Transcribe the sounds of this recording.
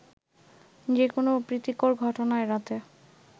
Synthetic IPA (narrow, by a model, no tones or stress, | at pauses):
d͡ʑekonopɾit̪ikoɾɡʱɔʈonaeɾat̪e